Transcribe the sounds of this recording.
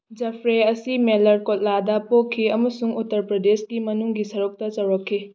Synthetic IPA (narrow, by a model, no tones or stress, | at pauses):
d͡ʒɐpʰɾeɐsimelɐɾkot̚ladɐpokʰːiɐmɐsuŋutːɐɾpɾɐdesɡimɐnuŋɡisɐɾuk̚tɐt͡ʃɐwɾɐkʰːi